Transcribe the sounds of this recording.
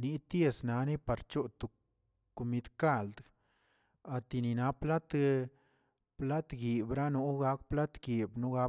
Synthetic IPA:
ni˦t̪je˦˧sna˨˦ni˦pa˨ɾt͡ʃo˦t̪u˨ | ko˧mi˧d̪ka˦˧˨ld̪ | a˨t̪i˧ni˨na˦pla˦t̪ | pla˦t̪ɡi˨bɾa˦nu˧˦ɡa˧˦kpla˦t̪ɡi˨bnu˦ɡa˧˦

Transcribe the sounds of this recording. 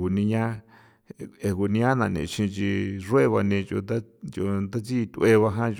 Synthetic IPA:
u˨nĩ˧ɲã˦˧ | e˧ku˧˨nĩ˧ɲã˦nã˧˨nḭ̃˨t͡ʃĩ˧t͡ʃi˧ʐu˦e˦βa˧nĩ˧t͡ʃo̰˧t̪a˦t͡ʃo˧d̪a˦t͡si˦˧t̪ʲu˧ʔe˧βa˧ɦã˦t͡ʃ

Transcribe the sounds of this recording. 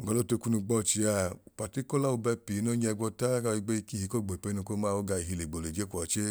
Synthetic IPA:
o˨ɡa˧˦o˦to˧ku˦nu˧ɡ͡bɔ˦˨t͡ʃi˧a˧u˨pa˨ti˦ko˦la˦u˧bɛ˧pi˨i˨˦no˦ɲ˦ɛ˧ɡɔ˧ta˦ka˧i˧ɡ͡be˦i˧ki˦˨hi˨˧˦ko˦˨ɡ͡bo˨i˨pe˧˦nu˧ko˦ma˦˨o˦ɡa˧i˨ɦi˧le˨ɡ͡bo˨le˨d͡ʒe˦kʷɔ˨t͡ʃe˦

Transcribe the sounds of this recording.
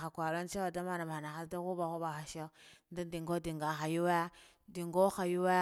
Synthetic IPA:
a˨kʷa˨lo˦n˦t͡ʃe˦wa˨da˦ma˦na˨ba˨a˨na˨xa˦lda˦ku˦ba˨xu˦ba˨xa˨ʃe˦nda˦di˨ŋɡo˦di˨ŋɡa˨xa˨ju˦wa˦ja˦ | di˨ŋɡo˦xa˨ju˦wa˦

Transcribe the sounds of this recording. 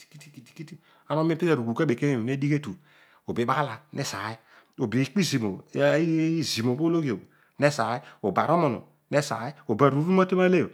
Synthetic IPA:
i˨ki˦ti˦ki˦ti̥˨˦ki˦ti˦ | a˨˦no˦m˦e˦pi˦a˨ɾu˨ɡu˨ka˦be˨ke˦ne˦˨n˦e˦di˦ke˦tu˨ | o˨be˨˦ɓa˦la˨ne˦sa˨˦i˦ | o˨bi˨˦k͡pi˦zi˨mo˨˦ | i˦zi˨mo˨bo˦lo˦ɡi˨o˨ | ne˦sa˨˦i˦o˨ba˨ɾo˦mo˨no̰˨ | ne˦sa̰˨˦i˦o˨ba˨ɾu˨˦u˦ma˦te˦ma˦le˦jo˨

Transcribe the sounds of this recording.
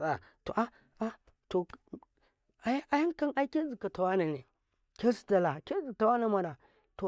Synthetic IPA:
a˨ | to̰˨ʔa˦ | a˦ | to˨ | a˨jʔa˦ja˦ŋka˦nʔa˦i˦ke˦zi˨ka˨ta˨wa˦na˨ne˨ | ke˦si̥˦ta˨la˨ke˦zi˨ta˨wa˦na˨ma˨na˨ | to˨

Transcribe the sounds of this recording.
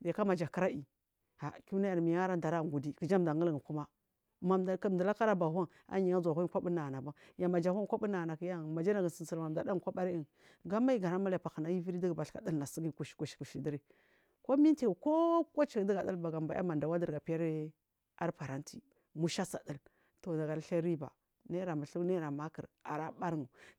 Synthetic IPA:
de˨ka˦ma˨d͡ʒa˨ki˦ɾa˦i˨ | ha˨ki˦na˦ja˨ɾmi˨ja˦ɾa˦da˨ɾa˦˨ŋɡu˨di˦kə˨d͡ʒa˦m˨da˨ŋə˦lŋ˨ku˦ma˦ | ma˨m˨km˨da˨la˦ka˦ɾa˦ba˨ɦa˦n | a̰˦ɲi˨ŋa˦za˨hu˦i˦kʷa˦bu˦na˨na˨ba˦ja˨ma˨d͡ʒa˨ha˦nkʷa˦bu˦na˨na˨ki˦ja˦˨ma˨d͡ʒa˦na˨ɡə˨sə˨n˨si˨lma˨mda˨da˦ŋ˨kʷa˦ba˦ɾi˦i˨n | ɡa˦ma˦i˦ɡa˨na˦ma˦la˨pa˨xə˨na˦ji˦vi˦ɾi˦di˦ɡba˨ɬka̰˨də˦lna˨si˦ɡi˦˨ku˨ʃi̥˨ku˨ʃku˨ʃi˨di˦ɾi˦ | ko˦mi˦nte˨ko˦ko˦t͡ʃi˨di˦ɡa˨da˦lba˨ɡa˨mba˨ja̰˦ma˨nda˨wa˦də˨ɾɡa˨pi˦ja˦ɾ | a˦ɾpa˨ɾa˦nti˨ | mu˦ʃa˦sa̰˨də˦l | to˨da˨ɡa˨ɾɬa˦ɾi˦ba̰˨ | ne˦ɾa˨ma˨ɬu˦ne˦ɾa˨ma˦kə˨ɾ | a̰˨ɾa˦ba˦ɾŋu˨

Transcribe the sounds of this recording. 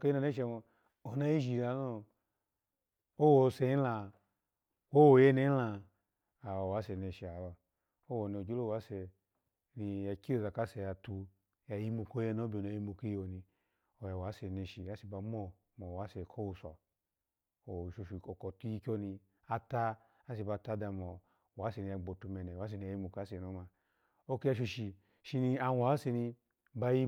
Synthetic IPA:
ko˦i˦na˧ne˦ʃe˧˨˧ | o˨na˦i˦ʒi˨la˨no˦ | o˦wo˨˧se˧i˦la˧ | wo˦wo˨je˦ne˨˦la˧ | a˨wa˨wa˨˦sɛ˨ne˧ʃi˨a˨wa˨ | o˦wo˨ni˧˨o˨d͡ʒo˦o˦˨wa˨˦se˨ | ni˧˨ja˨ki˦o˨za˨ka˨˦se˨ja˨tu˧ | ja˨ji˧mu˧ko˦je˧˦no˨˦bi˨o˨na˨ji˧˦mu˧ke˦i˦wo˨ni˧ | o˨ja˨wa˨˦se˨ne˧ʃi˨a˦si˧˨ba˧mo˦ | mo˨wa˨˦se˨kʰo˦wu˨sɔ˨ | o˨ʃo˨ʃi˨o˨ko˨tu˧˦i˧kʲo˦ni˧ | a˧ta˦ | a˦s̬i˧ba˧ta˦da˧mo˨ | wa˨˦se˧˨ni˧a˧ɡ͡bo˨tu˧mɛ˨nɛ˨wa˨˦s̬e˧˨ni˧a˨ji˧mu˨ka˨˦se˨no˨˦ma˧ | o˦ki˦a˧ʃ̬o˧ʃi˨ | ʃi˧ni˧a˧wʷa˨˦se˧ni˧ | ba˧ji˦

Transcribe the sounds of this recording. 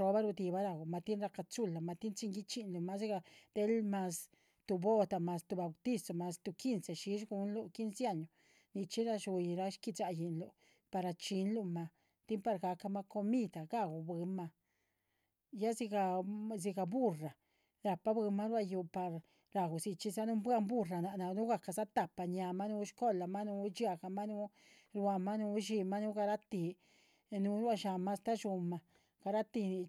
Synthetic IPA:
t͡ʃo˧ba˦ɾu˧d̪i˧ba˦ɾa˧ɡu˨ma˧t̪i˦nɾa˧ka˧t͡su˦la˨ma˧t̪i˦nt͡ʃi˧˦ŋɡi˦t͡ʃi˧nlu˧ma˧si˦ɡa˧d̪̥e˦lma˧s | t̪u˧bo˦t̪a˨ma˧st̪u˧ba˨wt̪i˦so˧˨ma˧st̪u˧ki˦nsa˨ʃi˧ʃɡu˧˦nlu˧ki˦nsja˦˧ɲo˨ | ni˧t͡ʃi˦ɾa˧ʃu˧jɾa˧ʃki˧t͡sa˧ji˧nlu˧ | pa˧ɾa˧t͡ʃi˧nlu˧ma˧ | t̪i˦mpa˧ɾɡa˧ka˧ma˧ko˧mi˦˧d̪a˨ɡa˦ɡu˨bɨ˧ma˧ | ja˦zi˧ɡa˧zi˧ɡa˨bu˦ra˨ | ɾa˨pa˦bɨ˧ma˦ɾwa˧ju˧pa˨ɾ | ɾa˨ɡu˨si˧t͡ʃi˧za˦nu˦bwa˦˧mbu˦ra˨na˨na˧nu˦ɡa˧˨ka˧za˦t̪a˨pa˧ɲa˧ma˦nu˧˦ʃko˦la˨ma˦nu˧t͡ʃja˧ɡa˧ma˦nu˦ | ɾwa˧ma˦nu˧ʃi˧ma˦nu˦ɡa˧ɾa˦t̪i˧ | nu˧˦ɾa˧ʃa˧ma˦st̪a˦ʃu˧ma˧ | ɡ̥a˧ɾa˦t̪i˧ni˧

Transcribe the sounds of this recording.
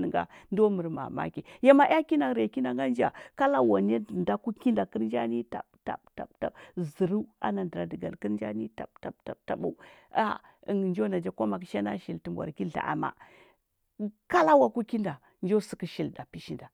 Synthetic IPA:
n˨ɡa̰˦ndo˦mə˨ɾma̰˨ma̰˦ki˨ja˦ma˨ʔja˦ki˦na˨ɾe˨ki˦na˨ŋɡa˦nd͡ʒa̰˨ka˦la˦wa˨n˦e˦˨nda˦ku˦ki˦nda˨kə˦ɾnd͡ʒa˦ni˦ta̰˨bta̰˨bta̰˨bta̰˨bzə˨ɾu˦a̰˦na˨də˨ɾa˨də˨ɡa̰˨lkə˦ɾnd͡ʒa̰˦ni˦ta˨bta˨bta˨ta˨bṵ˦a˦ə˨ŋ˨nd͡ʒo˦na˨d͡ʒa˦ko˦ma˨k̬i̥˨ʃa˦na˦ʃi˨lti˨mbʷa̰˨ki˦ɬa̰˨ʔa̰˨ma̰˦ | ka˦la˦wa˨ku˦ki˦nda˨ | nd͡ʒo˦su˦kə˦ʃi˨lda˨pi˦ʃi˦nda˨

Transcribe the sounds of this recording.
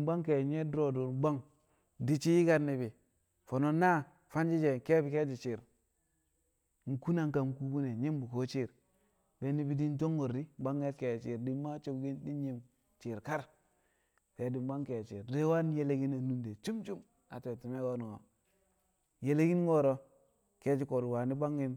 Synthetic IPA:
m˦ba˦ŋke˨ɲe˦dɾo˨du˨ɾɡ͡ba˦ŋ | di˦t͡ʃi˦ji˦ka˦ɾni˨bi˨ | fo˨no˦na˦ | fa˦nd͡ʒi˦d͡ʒe˨ke˦bi˨ke˦d͡ʒi˨t͡ʃi˨ɾ | ŋ̩˨ku˦na˨ŋka˨ŋ˨ku˦ɡu˦ne˨ɲe˦mbu˨ko˦t͡ʃi˦ɾ | be˨ni˦bi˨di˦nt̬o˦ŋːo˨ɾi˦ba˦ŋːe˦tke˨t͡ʃi˨ɾdi˦ma˦t͡ʃo˦kɡi˦ndi˦nɲi˦m | t͡ʃi˨ɾka˦ɾ | ke˨˦di˨m˦ba˦ŋ˦ke˨t͡ʃḭ˨ɾde˦wa˦n˦je˦le˦ɡi˦na˨nu˦nde˨t͡ʃu˦mt͡ʃu˦m | a̰˨te˨ti˨me˦ɡo˦n˨ŋo˨ | je˨le˦ɡi˦n˦ŋo˦ɾo˦ | ke˦d͡ʒi˨˦ko˨ɾwa˨ni˦ba˦ŋːi˦n

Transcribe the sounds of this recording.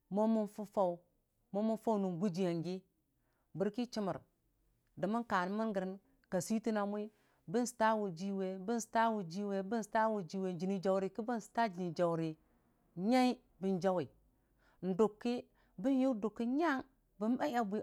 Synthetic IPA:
mo˦mu˦nfu˦fa˦u˨ | mo˦mu˦nfa˦wnu˨ɡu˦d͡ʒi˨ja˨ŋɡi˦ | bi˨ɾki˦t͡ʃi˦mə˨ɾ | da˨mə˦ka˨n˦mi˦nɡə˨ɾi˦n | ka˨si˦ti˦na˨mu˦i˦ | bi˦n˦si̥˨ta˦wu˨d͡ʒi˦we˨bi˦n˦si̥˨ta˦wu˨d͡ʒi˦we˨bi˦n˦sta˦wu˨d͡ʒi˦we˨d͡ʒi˨ni˨d͡ʒa˨wɾi˨ki˦bi˦n˨si̥˨ta˦d͡ʒi˨ni˨d͡ʒa˨wɾi˨ | ɲa˦i˦ | bi˦nd͡ʒa˦wi˨ | n̩˨do˨kːi˦ | bi˦nju˦do˨kːi˦ɲa˦ŋ | bi˦na˦a˦bʷi˦

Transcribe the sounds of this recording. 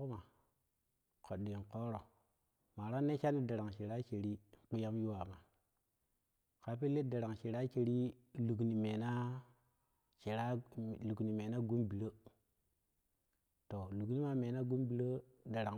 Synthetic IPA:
u˦ma˨ | ko˨ɗːi˨ŋ̩˨ko˦ɾo˨ | ma˨ɾa˦ne˦t͡ʃa˦ni˦da˨ɾa˨ŋʃi˨ɾa˦t͡ʃe˨ɾi˦˨k͡pi˦ja˦m˦ju˦wa˨ma˨ | ka˨pi˦le˦da˨ɾa˨ŋʃi˨ɾa˦t͡ʃe˨ɾi˦ | lu˨kni˨me˨na˦ | t͡ʃe˨ɾa˦lu˨kni˨me˨na˦ɡu˦mbi˨ɾo˦ | to˨lu˨kni˦ma˨me˨na˦ɡu˦mbi˨ɾə˦ | da˨ɾa˨ŋ

